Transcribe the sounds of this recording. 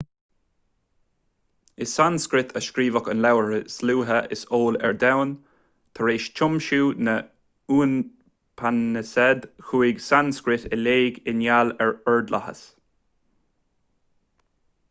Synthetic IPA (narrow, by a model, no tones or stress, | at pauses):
ɪsanskɾɪt̪ʰəʃkɾiːvəkənlawəɹəsluːɦəʔɪ̰soːlɛ̰ɹd̪awn | t̪ʰəɹeːʃt͡ʃʰʊmʃuːnə | uːn | pʰanəsɛd̪xuːiɡsanskɾɪt̪ɪleːɡɪnjalɛɹɔɹd̪lʔa̰hə̰s